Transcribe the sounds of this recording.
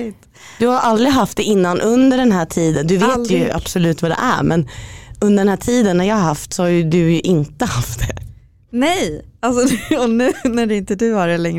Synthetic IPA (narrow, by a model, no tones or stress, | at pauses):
t̪ | d̪ɵhaɾʔald̪ɾɪɦaft̪̚d̪ɛɪnːanʔɵnd̪əɖɛnɦæːʈʰiːd̪ənd̪ɵveːjɵʔa̰b̥sɔlʉ̟ːt̪vad̪ɛ̰ʔæ̰ɾmʔɛnɵnd̪əɾɖɛnhæːʈʰiːd̪ənːæɾjɑːɾhaft̪sɔhaɾjɵd̪ɵjɵʔɪnt̪əhaft̪̚d̪ɛ | nɛjalsɔɔnʉ̟ːnæɖɛɪnt̪əd̪ʉːaɖɛlɛŋ